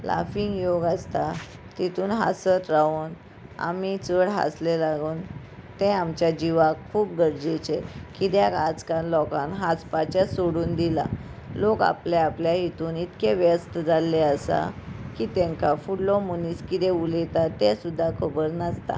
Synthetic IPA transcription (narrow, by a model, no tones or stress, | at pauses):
la̰fiŋɡjoɡast̪a | t̪it̪uːnɦa̰sət̪ɾaun | a̰mit͡səɽɦa̰slelaɡuːn | t̪ɛ̃amt͡ɕjad͡ʑiʋakkʰːuːp̚ɡəɾd͡ʑet͡ɕekit̪jakad͡zkãnlɔkãnɦast͡spat͡ɕasoɽuːnd̪ila̰ | loka̰pleapljaɦit̪uːnit̪keʋjəst̪əd͡zaleəsa̰kiːt̪ɛ̃ŋkafuɽlɔmuniskit̪eulet̪at̪ːɛ̃sud̪ʱːakʰəbəɾnast̪a̰